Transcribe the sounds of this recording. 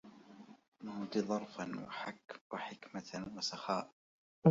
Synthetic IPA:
mahd̪id̪ˤɑɾˤfanwa̰waħɪkmawasaxaːʔ

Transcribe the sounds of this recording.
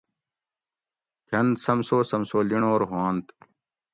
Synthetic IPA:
kʰɐnd̪sɐmsoːsɐmsoːliɳoːɾɦoːnt̪

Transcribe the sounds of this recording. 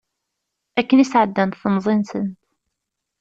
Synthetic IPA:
ækːənisʕəd̪ːænt̪θnzˤinsənt̪

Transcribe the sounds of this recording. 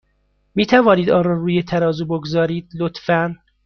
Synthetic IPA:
miːt̪ʰævɒːniːd̪ɒːnɾɒːruːjet̪ʰæɾɒːzuːboɡozɒːɾiːd̪̥lot̪fæn

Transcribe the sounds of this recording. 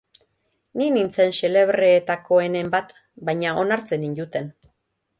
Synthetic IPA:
ninint͡sense̞le̞βɾe̞ːt̪ako̞e̞ne̞mbat̪ | bajɲao̞naɾt͡se̞nind̪ut̪e̞n

